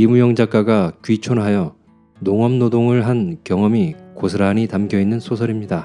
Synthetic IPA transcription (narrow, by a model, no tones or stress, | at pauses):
imujʌŋd͡ʑak͈aɡakɥit͡ɕʰonɦajʌ | noŋʌmnodoŋɯɭɦankjʌŋʌmikosʰɯɾaɲitamɡjʌinːɯnsʰosʰʌɾimɲida